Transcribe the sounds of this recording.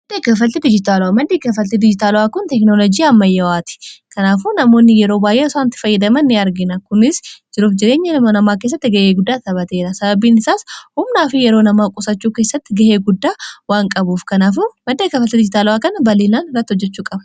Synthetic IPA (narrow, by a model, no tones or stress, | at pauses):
mmɐd̪eːkɐfɐlt̪ɪd̪ɪd͡ʒɪt̪aːlʊwamɐd̪ːeːkɐfɐlt̪ɪd̪ɪd͡ʒɪt̪aːlʊaːkʊnt̪ɛknolɔd͡ʒijɐmːɐjːɐwaːt̪ɪ̥kɐnaːfuːnɐmo̞ːnːɪjɛɾo̞ːbaːjʔeːɔsaːnt̪ːɪ̥fɐjːɐd̪ɐmɐnːɪɐɾɡɪnɐkʊnɪsd͡ʒɪɾuːfd͡ʒɪɾe̞ːɲːɐɪmonɐmaːke̞ːs̬ːɐt̪ːɪɡɐʔeːɡʊd̪ːaːt̪ɐbɐt̪e̞ːɾɐsɐbɐbiːnɪsaːshʊmnaːfɪjɛɾoːnɐmaːkʼʊsɐt͡ʃːuːke̞ːsːɐt̪ːɪɡɐʔeːɡʊd̪ːaːwaːŋkʼɐbuːfkɐnaːfumɐd̪ːeːkɐfɐlt̪ɪd̪ɪd͡ʒɪt̪aːlʊaːkɐnbɐleːlaːnɪrːɐt̪ːɪhɔd͡ʒːɛt͡ʃːuːkʼɐbɐ